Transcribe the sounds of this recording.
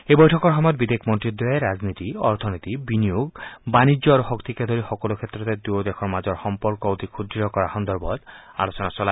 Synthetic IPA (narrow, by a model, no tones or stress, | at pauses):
ebɔjʈʰɔkɔɾɦɔmɔjɔt̪̚bid̪ekʰmɔnt̪ɾid̪ɔaeɾad͡ʒnit̪iɔɾt̪ʰɔnit̪ibinijoɡbanid͡ʒjɔaɾuhɔkt̪iked̪ʱoɾixɔkɔlokʰet̪ːɾɔt̪ed̪uod̪ekʰɔɾmad͡ʒɔɾxɔmpɔɾkɔut̪ikʰud̪ɾiɔkɔɾaxɔnd̪ɔɾbɔd̪a̰lot͡ʃɔnasɔla